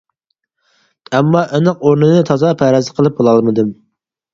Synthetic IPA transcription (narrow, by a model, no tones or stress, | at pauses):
ɛmːɑʔɪnɨq̚oɾnɨnɨt̪ʰɑzɑpʰæɾɛzɨqʰəlˠɨp̚bolˠɑlˠmɨd̪ɨm